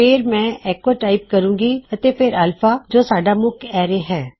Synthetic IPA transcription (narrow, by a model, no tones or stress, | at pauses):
peɾmɛ̃ːʔɛːkoːʈaːɪp̚kəɾũːɡiːət̪eːpʰɪɾəlfʰaːd͡ʒoːsaːɖaːmʊkɛːɾeɦɛː